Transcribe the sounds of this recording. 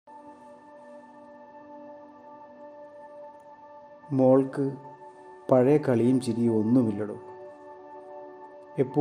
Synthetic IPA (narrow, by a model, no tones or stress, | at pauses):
mo̞ːɭkɨ | pɐɻɐjɐkɐɭijumt͡ɕiɾijuo̞nːumilːɐɽṵ | epːo